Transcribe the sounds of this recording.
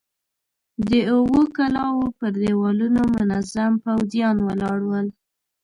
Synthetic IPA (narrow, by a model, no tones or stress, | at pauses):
d̪əʊwokalɑwopəɾd̪ewɑlunomʊnazampawzjɑnwəlɑɽwəl